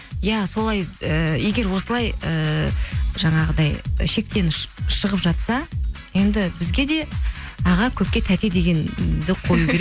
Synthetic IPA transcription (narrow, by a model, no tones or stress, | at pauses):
jæso̞lˠɑjəje̞ɡʲe̞ɾwo̞səlˠɑjə | ʒɑɴɑʁəd̪ɑjʃe̞k̚t̪e̞nʃəʁəpʒɑt̪sɑ | je̞nd̪ɪbɪzɡʲe̞d̪e̞ɑʁɑkʲʰɵp̚kʲe̞t̪ʰæt̪e̞d̪e̞ɡʲe̞nd̪ɪqʰo̞jukʲeɾek